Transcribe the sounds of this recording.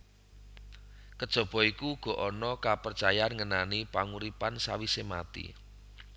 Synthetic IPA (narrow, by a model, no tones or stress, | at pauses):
kəd̥ʒ̥ɔ̤b̥ɔ̤ikuɡ̥ɔ̤ʔɔnɔkapərt͡ʃajanŋənanipaŋuɾipansawisemat̪ḭ